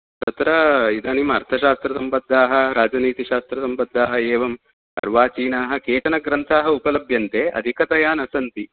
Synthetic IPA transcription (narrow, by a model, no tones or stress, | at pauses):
t̪ɐt̪ɾɐid̪aːnimɐɾt̪ʰɐʃaːst̪ɾɐsɐmpɐd̪ʱːaːɦɐ̆ɾaːd͡ʒɐniːt̪iʃaːst̪ɾɐsɐmpɐd̪ʱːaːɦɐeːʋɐm | ɐ̰ɾʋaːt͡ʃiːnaːɦɐ̆keːt̪ɐnɐɡɾɐnt̪ʰaːɦɐupɐlɐbʱjɐnt̪eːʔɐ̰d̪ʱikɐt̪ɐjaːnɐsɐnt̪i